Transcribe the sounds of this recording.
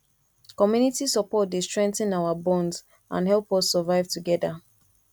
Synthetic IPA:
kɔmjunitisɔpɔtdestɹ̥ɛ̃nktnawabɔ̃ndz | ʔã̰nhɛlˠpɔsːəvaɪvtuɡɛda

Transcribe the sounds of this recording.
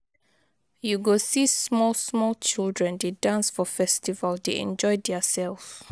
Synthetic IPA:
juɡosismɔlsmɔlt͡ʃildɹɛ̃ndedãnsfɔfɛstivəldeɛ̰̃nd͡ʒɔjdɛasɛlf

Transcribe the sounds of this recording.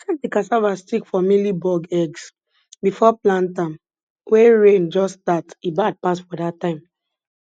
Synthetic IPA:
asɛ̃k̚dikasavastikfɔmilibɔɡɛɡs | bifɔplãntãm | weɹẽnd͡ʒɔsdatibad̚pasfɔdatːãɪ̃m

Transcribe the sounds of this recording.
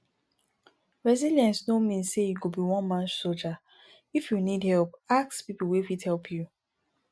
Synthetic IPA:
ɹɛziljɛ̃nsnomĩnssejiɡobiwɔ̃nmãnsold͡ʒa | ifjunidhɛlpakspipəl̩wifidhɛlpʰju

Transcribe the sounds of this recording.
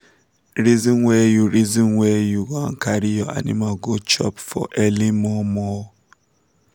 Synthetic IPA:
ɹizɔ̃nwɛjuɹizɔ̃nwɛjukãnkʰaɾijɔa̰nḭmalɡot͡ʃɔ̰pfɔ̰ʔɛlimɔmɔ

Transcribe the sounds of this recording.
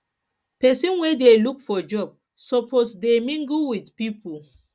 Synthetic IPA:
pɛsĩnwedelukfɔd͡ʒɔb̚ | sɔposdemĩŋɡuwidpipu

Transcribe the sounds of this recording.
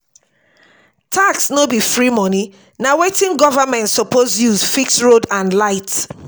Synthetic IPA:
tʰaksnobifɹimɔni | nawetĩnɡɔvamɛ̃ntsɔpozjuzfiksɹodãnlaɪt

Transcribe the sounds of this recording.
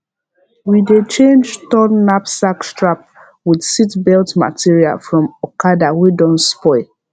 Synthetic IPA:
widet͡ʃẽnd͡ʒtɔnnːapsakstɹap̚ | widsitbɛltma̰tiɹia̰lfɹɔ̃mɔkadawedɔ̃nspɔɪ

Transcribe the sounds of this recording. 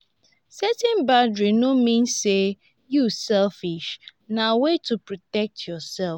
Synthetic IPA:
sɛtɛ̃nbadɹinomĩnsːe | jusɛlfiʃnawetupɹɔtɛk̚tʰjɔsɛl

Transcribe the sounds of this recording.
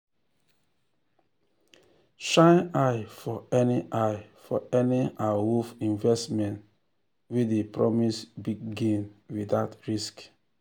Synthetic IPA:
ʃãɪnaɪfɔɛniʔaɪfɔɛniawufĩnvɛstmɛ̃nt | widepɹɔ̰misbiɡ̚ɡĩnwidaʊtɹisk

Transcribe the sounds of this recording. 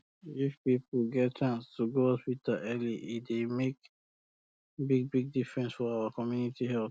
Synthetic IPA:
ifpipl̩ɡɛt̚t͡ʃãnstuɡohɔspitaʔɛliʔidemek | biɡ̚biɡ̚difɹɛ̃nsfɔaəkɔmjunitiɦɛl

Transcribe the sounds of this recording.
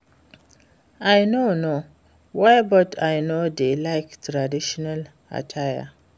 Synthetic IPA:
ajnono | wajbɔtʰajnod̪elajktɾadiʃɔnal | a̰tʰajə̰

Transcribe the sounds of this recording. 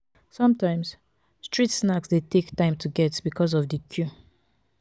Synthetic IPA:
sɔ̃mtãɪ̃ms | stɹ̥itsnaksdetʰektãɪ̃mtʰuɡɛtb̥ikʰɔzɔvdəkʰju

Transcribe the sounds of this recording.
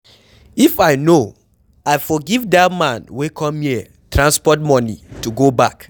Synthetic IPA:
ifaɪno | aɪfɔɡivdamãnwekʰɔ̃mhiə | tɹãnspɔtmɔ̃nḭtuɡobak

